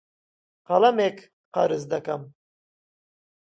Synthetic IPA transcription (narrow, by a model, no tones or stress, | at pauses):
qɑlamɛk | qʰaɾɨzd̪akam